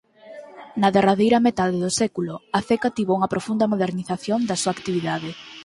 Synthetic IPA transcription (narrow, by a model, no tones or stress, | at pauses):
nɐðeraðejɾɐmet̪aðeðʊsɛkulʊaθekat̪iβouŋɐpɾofund̪ɐmoðeɾniθaθjond̪ɐsuaːkt̪iβiðaðɪ